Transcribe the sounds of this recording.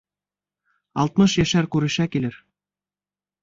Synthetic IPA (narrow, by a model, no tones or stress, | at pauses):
ɑ̰lˠt̪̚mɤʃjæʃæɾkʉɾɘ̆ɕækilɘ̆ɾ